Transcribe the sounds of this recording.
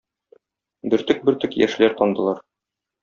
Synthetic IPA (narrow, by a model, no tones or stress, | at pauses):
bɘ̆ɾt̪ɵk̚bɘ̆ɾt̪ɵkjæ̰ʃlæɾt̪ɒnd̪ɤ̆lˠɑɾ